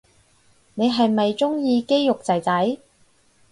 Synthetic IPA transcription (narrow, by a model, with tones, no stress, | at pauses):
ne˨˧jɦɐ˨jmɐ˨jt͡sʊ˥ŋjiː˧ke˥jjʊ˨k̚t͡sɐ˨˩jt͡sɐ˨˥j